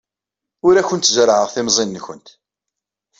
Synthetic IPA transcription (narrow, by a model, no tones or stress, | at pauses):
ʊɾæçʊnt̪zəɾʕəʁθɪmzˤinːçənt̪